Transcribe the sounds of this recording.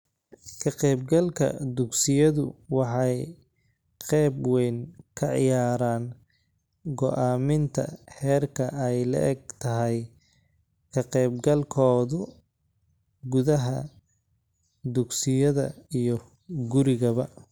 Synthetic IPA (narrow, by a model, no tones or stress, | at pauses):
kʰɐqɛːb̚ɡɐlkʰɐ̰d̪ʊɡsɪjɐðʊwɑħɑj | qɛːbwɛjnkʰɐʕɪ̰jaːɾaːn | ɡɔʔaːmɪnt̪ʰɐ̰ħɛːrkʰɐɛjlɐ̰ʔɛɡ̚t̪ʰɐɦɛj | kʰɐqɛːbɡɐlkʰɔːðʊ | ɡʊðɐɦɐ | d̪ʊɡsɪjɐðɐ̰ijɔ | ɡʊɾɪɣɐβɐ